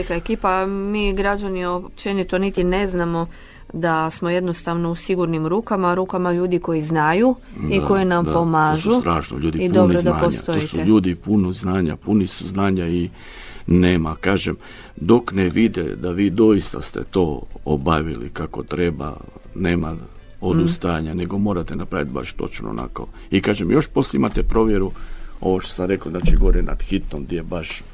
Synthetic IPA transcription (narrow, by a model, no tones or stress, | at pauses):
likaekiːpamiːɡɾad͡ʒaniop̚t͡ʃenit̪onit̪ine̞znamo̞ | d̪asmo̞je̞d̪nost̪aʋno̞usiɡuɾnimɾuːkamaɾuːkamaʎuːd̪iko̞jiznaju | iko̞jenamd̪pomaːʒut̪ɾaːʃno̰ʎuːd̪iidp̪obnɾod̪aaːɲsa̰t̪oojitsueʎuːd̪ipunoznaːɲa̰punisuznaːɲai | neːmakaːʒem | d̪o̞kneʋid̪ḛd̪aʋiːd̪o̞ist̪a̰st̪ḛt̪oːobaʋilḭkakot̪ɾe̞ba̰ | neːma | od̪ust̪ajaɲaneɡo̞mo̞ːɾat̪enapɾa̰ːʋit̪̚ba̰ʃt̪o̞̰t͡ʃno̰o̰na̰ko̰ | ikaːʒemjo̞ʃpo̞sljeimat̪epɾo̞ʋjeɾuo̞̰ʋoʃt̪o̥samɾekoznaːt͡ʃiɡoʋoɾena̰d̪̥xit̪nomd̪jebaʃ